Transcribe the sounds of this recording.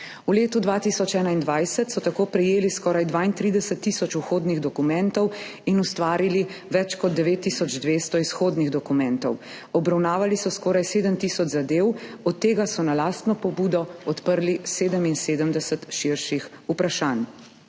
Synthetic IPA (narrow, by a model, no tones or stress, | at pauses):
uleːt̪ud̪ʋaːt̪isɔt͡ʃɛːnaind̪ʋajsət̪sɔt̪akoːpɾɛjeːliskɔːɾajd̪ʋaːint̪ɾiːd̪ɛsət̪ːisɔt͡ʃuxoːd̪niɣd̪ɔkumɛnt̪ɔwinust̪ʋaːɾiliʋɛt͡ʃkɔd̪ːɛʋeːt̪ːisɔd͡ʒd̪ʋeːst̪ɔisxoːd̪niɣd̪ɔkumɛnt̪ɔw | ɔbɾawnaːʋalisɔskɔːɾajseːd̪əmt̪iːsɔd͡ʒzad̪eːwɔt̪ːeːɡasɔnalaːst̪nɔpɔbuːd̪ɔɔt̪pəɾliseːd̪əminseːd̪əmd̪ɛsət̪ʃiɾʃixupɾaʃaːn